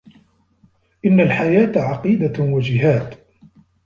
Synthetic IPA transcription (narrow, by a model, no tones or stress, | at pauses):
ʔɪnːalħajaːt̪ʕɑqiːd̪awad͡ʒɪɦaːt̪